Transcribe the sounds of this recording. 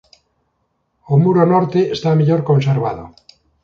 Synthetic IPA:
omuɾonoɾt̪eːst̪ameʎoɾkonseɾβað̞o̰

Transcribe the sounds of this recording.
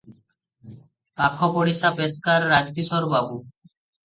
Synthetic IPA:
pakʰːɔpoɽisapeskaɾːad͡ʑkiʃɔɾbabu

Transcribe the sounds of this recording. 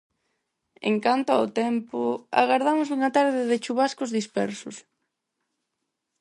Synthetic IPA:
ḛŋkant̪ʊa̰ʊt̪ɛmpʊa̰ɣaɾðamʊsuŋat̪aɾðɪðɪt͡ʃuβaskʊzðispɛ̰ɾsʊs

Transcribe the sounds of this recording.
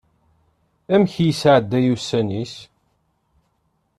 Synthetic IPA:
æmçjisʕəd̪ːæjusːænis

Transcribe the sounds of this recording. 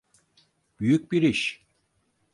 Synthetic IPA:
b̥yjyc̚biɾiʃ

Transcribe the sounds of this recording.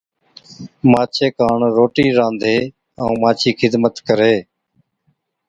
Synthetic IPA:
maːt͡ʃʰeːkaːɳɾoːʈiːɾãːnd̪ʱeː | ə̃ːmaːt͡ʃʰiːkʰɪd̪mət̪kəɾeː

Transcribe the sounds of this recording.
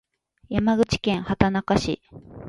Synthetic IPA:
jamaɡɯ̟t͡ɕi̥kẽɰ̃hat̪anakaɕḭ

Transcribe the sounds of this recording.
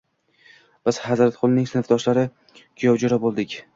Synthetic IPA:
b̥ɪz̥hazɾat̪qʰʊlˠnɪŋsɪnɪfd̪ɒʃlaɾɪ | kʰʊjɒwd͡ʒʊɾabolˠd̪ɪkʲ

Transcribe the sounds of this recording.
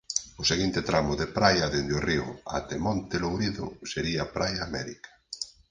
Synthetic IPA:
ʊseɣint̪ɪt̪ɾamʊðepɾajɐðend̪eoriʊ̰a̰t̪emɔ̃nt̪elowɾiðʊ̰seɾiapɾajaːmɛɾikḁ

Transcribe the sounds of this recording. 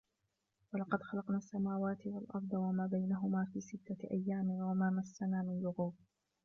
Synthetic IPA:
walɑqɑd̪xɑlɑqnaːsːamaːwaːt̪ɪwalʔɑ̰ɾˤd̪ˤɑwamaːbajnaɦʊmaːfiːsɪt̪ːaʔa̰jːaːmɪwamaːmasːanaːmɪnlʊɣuːb

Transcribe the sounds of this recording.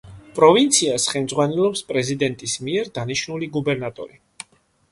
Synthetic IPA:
pʼɾɔvint̪sʰiasχɛmd̪zʁwanɛlɔpspʼɾɛzid̪ɛnt̪ʼismiɛɾd̪aniʃnuliɡubɛɾnat̪ʼɔ̰ɾi

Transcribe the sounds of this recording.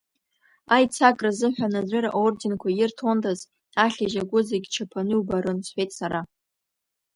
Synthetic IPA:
ajt͡sʰakʼrazɨħʷᶣanazʷɪɾa̰ʔordinkʷʰajɪrtʰondʰʼaz | aɬʲaʒaɡʷʊzaɡʲit͡ʃʰapʰanɨubaɾɨnsħʷᶣejtʼsaɾa

